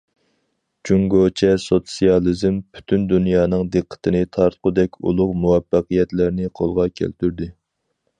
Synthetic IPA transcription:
d͡ʒuŋɡot͡ʃʰɛsot̪sijɑlˠizmpʰy̥t̪ʰynd̪unjɑːnɨŋd̪ɨqʰːə̥t̪ʰɨnɪt̪ʰɑɾt̪qʊd̪ɛkʲṵlˠʊqmuwɛfːɑqijɛt̪læɾnɪqʰolˠʁɑkʲʰæ̰lt̪ʰyɾd̪ɪ

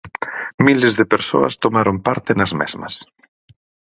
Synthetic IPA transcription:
milezðepeɾso̰ɐ̰st̪omaɾompaɾt̪enɐzmɛ̰zmɐ̰s

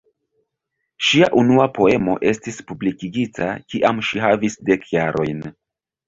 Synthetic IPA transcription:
ʃiaʔunuapo̞e̞mo̞̰ʔe̞stispublikiɡitʰa̰kiʔamʃihavisde̞kʰjaɾʔo̞jn

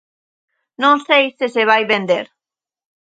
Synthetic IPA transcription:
nõŋsejseseβ̞ajβend̪eɾ

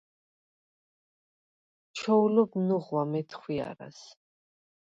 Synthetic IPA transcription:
t͡ʃʰɔulɔbmnuʁwamɛt̪ʰχwia̰ɾa̰s

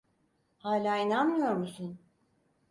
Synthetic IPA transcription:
haːlʲaːinanmɯjo̞ɾmusun

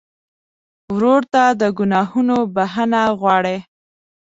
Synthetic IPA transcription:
wɾoɾt̪ad̪əɡʊnɑhunobaɦənaɣwɑɽe

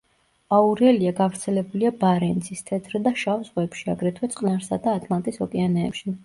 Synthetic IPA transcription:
auɾɛliaɡavɾt̪sʰɛlɛbuliabaɾɛnt̪sʰist̪ʰɛt̪ʰɾɛd̪aʃavzʁwɛpʃiaɡɾɛt̪ʰwɛt̪sʼqʼnaɾsad̪aːt̪ʼlˠant̪ʼisɔkʼɛanɛ̰ːpʃi

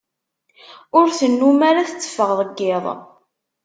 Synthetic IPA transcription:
ʊɾθənːumaɾaθət͡sːə̥fːəʁðˤəɡːɪðˤ

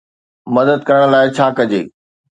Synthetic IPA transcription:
mɐd̪əd̪̚kɐɾəɽ̃laːɪt͡ɕʰaːkɐd͡ʑḛː

